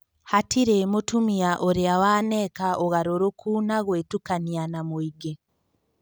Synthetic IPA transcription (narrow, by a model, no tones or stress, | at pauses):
hatiɾemotumiaʔoɾeawaːnekaʔoɣaɾoɾokʰuːnaɣweːtukanianamuiɡe